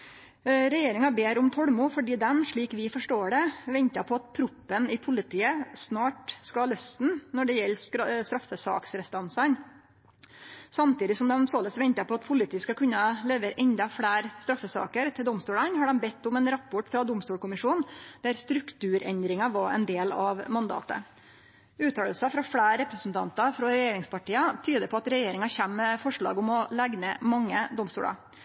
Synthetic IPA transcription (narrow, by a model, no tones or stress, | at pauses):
ɾɛjeːɾɪŋɑbeːɾʊmt̪ʰɔɽmʊfɔɖiːd̪ɛmʂɭiːkʋɪfɔʂʈoːɖɛʋɛnt̪ɑpʰɔɑt̪̚pʰɾʊpːənɪpʰʊlɪt̪ʰiːəsnɑːʈskɑlœst̪nnɔɖɛjɛlːsst̪ɾɑfːəsɑ̰ːksɾɛst̪ɑnsɑn | sɑmt̪iːd̪ɪsɔmd̪ɛmsoːləsʋɛnt̪ɑpʰɔɑt̪pʰʊlɪt̪iːəskɑkʰʉnːɑleːʋəɾʔɛnd̪ɑfɽæːɾst̪ɾɑfːəsɑ̰ːkəɾt̪ʰɪld̪ɔmst̪uːlɑnhɑɖɛmbɛt̪ːʊmɛnɾɑpːɔʈfɾɑd̪ʊmst̪uːlkʊmɪʂuːnd̪̥æɾst̪ɾʉkt̪ʉːɾɛnd̪ɾɪŋɑʋɑɛ̰nd̪eːlɑʋmɑnd̪ɑ̰ːt̪ə̰ | ʉːt̪ʰɑːləlsɑfɾɑfɽæːɾɾɛpɾəsn̩t̪ʰɑ̰nt̪ɑfɾɔɾɛjeːɾɪŋspʰɑʈiːɑt̪ʰyːd̪əpʰɔɑt̪ɾɛjeːɾɪŋɑçæmːɛfɔʂɭɑ̰ːɡʊmɔlæɡnɛmɑŋːəd̪ʊmst̪uːlɑ̰